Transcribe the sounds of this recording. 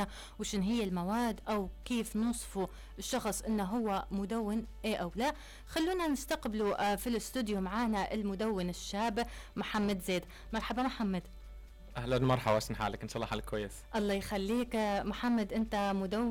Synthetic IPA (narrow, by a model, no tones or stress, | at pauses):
a | wʃɪnɦɪjːalmawaːd̪ːʔawkeːfnuːsˤfu | ɪʃːɑxsˤʔɪnːaɦʊwːamʊd̪awːɪnʔeːʔawlaː | xalːuːnanɪst̪aqbɪlufilɪst̪uːd̪jumaʕaːnaʔɪlmʊd̪awːɪnɪʃːaːbɪmʊħamːad̪zeːd̪ | mɑɾˤħabamʊħamːad̪ | ʔahlanmɑɾˤħabaʃnħa̰ːlakɪnsˤɑlɑːħalkwajːɪsʔɑlˤːɑːjxalːiːkmʊħamːad̪ʔɪnt̪amʊd̪awː